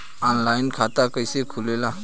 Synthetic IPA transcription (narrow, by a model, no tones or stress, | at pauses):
ɔnlajnkʰat̪akəjsekʰulela